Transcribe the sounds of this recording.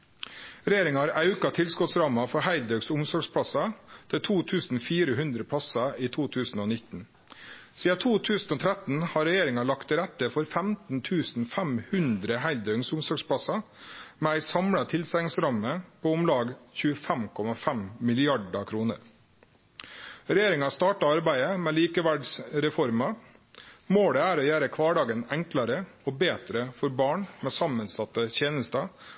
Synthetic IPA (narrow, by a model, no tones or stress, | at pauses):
ɾɛjeːɾɪŋɑɑːɾɑʉkɑt̪ʰɪlskʊt̪sɾɑːmɑfɔhæɪld̪œʉɡsʊmsɔɡʂpʰɽɑsɑt̪ʰɪt̪ʰuːt̪ʰʉːsn̩fiːɾəhʉnd̪ɾəpʰɽɑsɑiːt̪ʰuːt̪ʰʉːsn̩oːnɪt̪n̩ | siːɑt̪ʰuːt̪ʰʉːsn̩oːt̪ʰɾɛt̪n̩hɑːɾɛjeːɾɪŋɑlɑkt̪ɾɛt̪əfɔɾfæmt̪n̩t̪ʰʉːsn̩fæmhʉnd̪ɾəhæɪld̪œʉŋsʊmsɔɡʂpʰɽɑsɑ | mɛːæɪsɑmɽɑt̪ʰɪlsɛɪŋsɾɑməpʰoːʊmlɑːɡçʉːəfæmkʰɔmɑfæmmɪlɪɑɖɑkʰɾuːnə̰ɾ | ɾɛjeːɾɪŋɑst̪ɑːʈɑɑɾbæɪəmɛːliːkəʋæɖsɾɛfɔɾmɑ | moːɽɛæːɾɔjæːɾəkʰʋɑːɖɑːɡənæŋklɑɾəɔːbeːt̪ɾəfɔɾbɑːɳmɛːsɑmənsɑt̪ːəçeːnəst̪ɑ